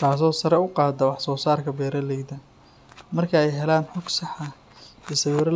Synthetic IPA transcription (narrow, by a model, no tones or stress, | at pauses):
t̪ʰaːs̬ɔːsɐɾɛʊqɑːd̪ɐwɑħsɔːsaːrkʰɐbɛːɾɐlɛjd̪ɐ | mɐrkʰɐɛjɦɛlaːnħɔɡsɑħɑ | ɛːsɐwiːɾɐ